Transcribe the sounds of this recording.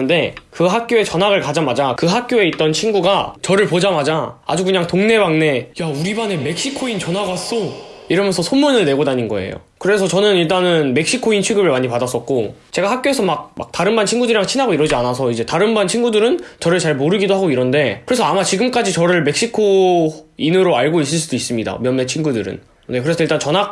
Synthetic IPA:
ɯnde̞kɯɦak̚k͈joe̞t͡ɕʌnɦaɡɯɭkad͡ʑamad͡ʑakɯɦak̚k͈joe̞it̚t͈ʌnt͡ɕʰinɡuɡat͡ɕʌɾɯɭpod͡ʑamad͡ʑaa̰d͡ʑukɯɲaŋtoŋne̞baŋne̞jauɾibane̞me̞k̚ɕ͈ikʰoint͡ɕʌnɦaɡas͈oiɾʌmjʌnsʰʌsʰomːunɯɭne̞ɡodaɲinɡʌ̰e̞̰jo̰kɯɾe̞sʰʌt͡ɕʌnɯniɭt̬͈anɯnme̞k̚ɕ͈ikʰoint͡ɕʰweɡɯbɯɭmaɲipadas͈ʌt̚k̚k͈ot͡ɕe̞ɡahak̚k͈joɦe̞sʰʌmak̚ma̰k̚taɾɯnbant͡ɕʰinɡudɯɾiɾaŋt͡ɕʰinɦaɡoiɾʌd͡ʑianasʰʌid͡ʑe̞taɾɯnbant͡ɕʰinɡudɯɾɯnt͡ɕʌɾɯɭt͡ɕaɭmoɾɯɡidohaɡoiɾʌnde̞kɯɾe̞sʰʌamat͡ɕiɡɯmk͈ad͡ʑit͡ɕʌɾɯɭme̞k̚ɕ͈ikʰo | inɯɾoaɭɡois̬͈ɯɭs͈udois͈ɯmɲida̰mjʌnmːet͡ɕʰinɡudɯɾɯ̰n | ne̞kɯɾe̞sʰʌiɭt͈ant͡ɕʌnɦak̚

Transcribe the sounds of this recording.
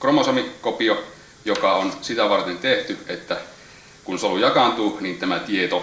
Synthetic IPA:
kromosɑmikopio | jokɑonsit̪æʋɑrt̪ent̪eht̪yet̪ːæ | kunsoljɑkɑnt̪unint̪æmæt̪iet̪o

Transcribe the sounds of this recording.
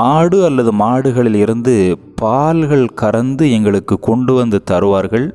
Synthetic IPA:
aːɽɯɐlːɐðɯmaːɽɯɣɐɭɪlɪɾɯnd̪ɯ | paːlɣɐɭkɐɾɐnd̪ɯɛŋɡɐɭɯkːɯkːɔɳɖɯʋɐnd̪ɯt̪ɐɾɯʋaːɾɣɐɭ

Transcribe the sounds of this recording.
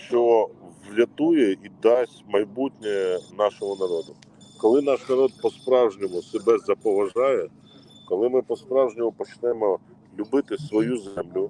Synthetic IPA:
t͡ʃɔɔwlʲɐt̪ujɛid̪ɑsʲmɐjbutʲnʲɛnɑʃɔɦɔnɐɾɔd̪ʊ | kɔlˠɪnɑʃnɐɾɔd̪̚pɔspɾɑwʒnʲɔmʊsebɛzɐpɔʋɐʒɑjɛ | kɔlˠɪmɪpɔspɾɑwʒnʲɔmʊpɔt͡ʃnɛmɔ | lʲʊbɪt̪ɪsʋɔjuzɛmlʲʊ

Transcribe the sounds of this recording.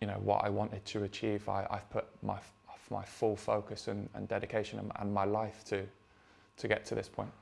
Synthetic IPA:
jɨñoʊwʌ̰ʔa̰ɪwɒ̃ntɪd̚tʰəːt͡ʃʰiːva̰ɪʔa̰ɪv̥pʰʊʔma̰ɪɒfma̰ɪfʊlˠfoʊkəsə̃nə̰̃ndɛɾɪkʰeɪʃə̃nə̰̃nə̰̃nmaɪlaɪftʰɨ | tʰəɡɛtʰəðɪspʰɔ̃ɪ̃nʔ

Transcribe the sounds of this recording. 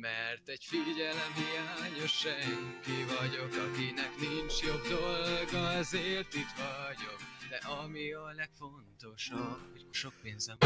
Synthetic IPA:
mɛrt̪ɛɟfiɟɛlɛmɦijaːɲo̞ʃːɛŋkivɒɟo̞kɒkinɛknint͡ʃjo̞ɡd̪o̞lɡɒɛzeːrt̪it̪ʋɒɟo̞kd̪ɛʔɒmiɒlɛkfo̞nt̪o̞ʃɒbhoɟʃo̞k̚peːnzɛm

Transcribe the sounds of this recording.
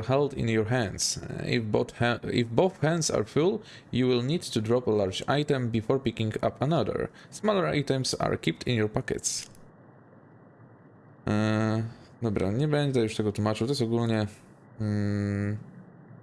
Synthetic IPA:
hɛld̪ḭ̃njɔɹɦɛ̃nsḭbθɛḭfbɔθxɛ̃nd̪sa̰ɾful | juwilnid̪t̪udɾɔpɛlaɾd͡ʒa̰jt̪ɛ̃mbifɔɾpikĩŋɡa̰panad̪ɛ̰ɹsmɔlɛɾa̰jt̪ɛmsa̰ɹkʲip̚t̪ḭ̃njɔɾpakɛ̰t̪s | d̪ɔbɾa̰ɲɛbɛ̃ɲd͡ʒd̪ɛjuʂt̪ɛɡɔt̪wumat͡ʃut̪ɔjɛsɔɡulɲɛ

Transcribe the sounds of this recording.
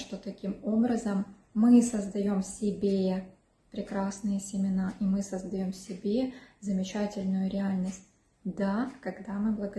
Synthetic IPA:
ʂt̪o̞t̪ɐkʲimo̞bɾəzəmːɨsəzd̪ɐjo̞msʲɪbʲe | pɾʲɪkɾasnɨjəsʲɪmʲɪnaʔimɨsəzd̪ɐjo̞msʲɪbʲezəmʲɪt͡ɕætʲɪlʲnʊjʊɾʲɪalʲnəsʲt̚ʲ | d̪akɐɡd̪amɨblˠəɡə

